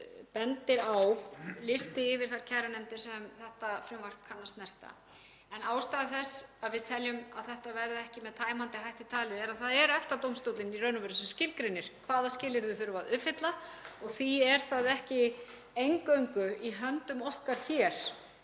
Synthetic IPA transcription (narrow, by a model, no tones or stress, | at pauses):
pɛnt̪ɪɾawlɪst̪ɪɪvɪɾ̥θaɾ̥cʰajɾanɛmt̪ɪsɛmθɛht̪afɾʏmvar̥kʰanːast̪nɛr̥t̪a̰ | ɛnaːwst̪aːðɪθɛsaðvɪðt̪ʰɛljʏmaðθɛht̪avɛɾðɪɛhcɪmɛðt̪ʰaːjmant̪ɪɦajht̪it̪ʰaːlɪðɛɾaðθaðɛɾɛft̪at̪owmst̪owt̪lɪnirœːnʏvœɾʏsmscɪɾkɾɪnːɪɾ̥kʰvaːðascɪːlɪɾðʏθʏjɾʏvaðʏfɪt̪laɔɣθiɛɾ̥θaðɛhcɪ | ejŋkœɥŋkʏiɦœnt̪ʏmɔhkaɾ̥çɛːɾ̥